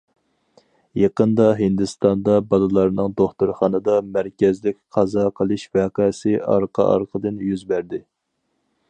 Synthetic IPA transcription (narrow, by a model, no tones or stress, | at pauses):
jɑqənd̪ɑɦɪnd̪ɨst̪ɑnd̪ɑbɑlˠɨlˠɑɾnɨŋd̪oχt̪uɾχɑnɨd̪ɑmæɾkʲɛzlɪkʲqʰɑzɑqʰəlˠɨʃvæqɑsɪɑɾqʰɑ̰ʔɑ̰ɾqʰəd̪ɨnjyzbæɾd̪ɪ